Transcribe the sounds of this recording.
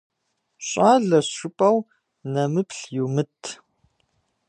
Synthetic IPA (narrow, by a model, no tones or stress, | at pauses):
ɕʼaːɮɐɕʊpʼɐw | nɐmɨpʰɬjumɨtʰ